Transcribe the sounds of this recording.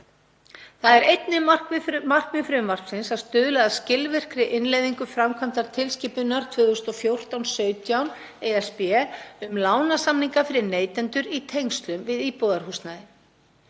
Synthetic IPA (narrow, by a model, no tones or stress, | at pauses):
θaðɛɾejt̪nɪar̥kmar̥kvɪfɾʏmvar̥psɪnsaðst̪ʏːðʏlaðaðscɪlvɪr̥kɾɪʔɪnlejðiŋkʏfɾamkʰvant̪aɾ̥t̪ʰɪlsciːpʏnːaɾ̥t̪ʰvʏːðʏst̪ɔfjowr̥t̪awnsœːɥt̪jawn | ejɛspɛʏmlaːwnasamniŋkafɪɾɪɾneːjt̪ɛnt̪ʏɾit̪ʰejŋst̪lʏmvɪðiːpɔðaɾ̥huːst̪naðɪ